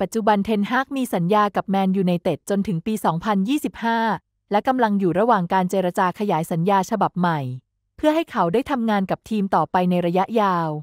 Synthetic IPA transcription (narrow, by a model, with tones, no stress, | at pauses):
pa˨˩t̪̚t͡ɕu˨˩ba˧nt̪ʰe˧nɦaː˥˩k̚miː˧sa˩˦njaː˧ka˨˩p̚mɛː˧njuː˨˩na˧jt̪e˨˩t̪̚t͡ɕo˧nt̪ʰɯ˩˦ŋpiː˧sɔː˩˦ŋpʰa˧njiː˥˩si˨˩p̚haː˥˩ | lɛ˦˥ka˧mla˧ŋjuː˨˩ɾa˧waː˨˩ŋkaː˧nt͡ɕeː˧ɾa˧t͡ɕaː˧kʰa˧jaː˩˦jsa˩˦njaː˧t͡ɕʰa˧ba˨˩p̚ma˨˩j | pʰɯ˥˩əɦa˥˩jkʰa˩˦wdaː˥˩jt̪ʰa˧mŋaː˧nka˨˩p̚t̪ʰiː˧mt̪ɔː˨˩pa˧jna˧jɾa˧ja˦˥ʔjaː˧w